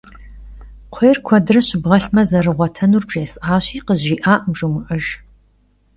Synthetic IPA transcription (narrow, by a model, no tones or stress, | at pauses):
qʷʰeːrkʷʰɐdɨrɐɕɪbʁɐɬmɐzɐrɨʁʷɔtʰɐnuːrbʒeːsʔaːɕiːqəziːʔaːʔmʒumɨʔɐʒ